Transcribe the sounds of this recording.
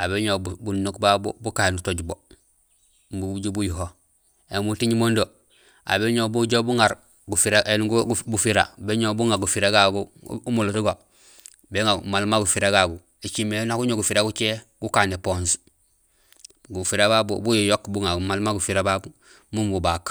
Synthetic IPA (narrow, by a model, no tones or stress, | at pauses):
abeɲobunːukbabo̰bukaenutoɟbo | buɟobujuɦo | emutiɲmondo | a̰beɲobuɟobuŋaɾ | ɡufiɾaʔenɡbufiɾa̰beɲobuŋaɾɡufiɾaɡaɡuumulutuɡo | beŋamalmaɡufiɾaɡaɡu | et͡ʃimːenakuɲoɡufiɾaɡut͡ʃeɡ̥ukaːnepons | ɡufiɾababo̰bujujokbuŋaɡumalmaɡufiɾababu | mumbubak